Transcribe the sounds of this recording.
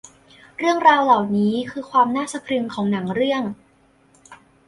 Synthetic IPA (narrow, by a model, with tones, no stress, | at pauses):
ɾɯ˥˩əŋɾaː˧wlaː˨˩wniː˦˥kʰɯː˧kʰwaː˧mnaː˥˩sa˧pʰɾɯ˧ŋkʰɔː˩˦ŋna˩˦ŋɾɯ˥˩əŋ